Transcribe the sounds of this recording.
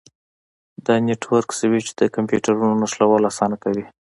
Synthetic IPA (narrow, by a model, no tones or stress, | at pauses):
d̪əneʈwaɾksawit͡ʃe̥d̪̥əkampjuʈaɾunonaslawɑlasɑnakawi